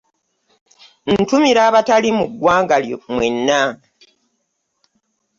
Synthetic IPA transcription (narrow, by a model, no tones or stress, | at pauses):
n̩tumiɾaːβatalimuɡːwaːŋɡaljomwenːa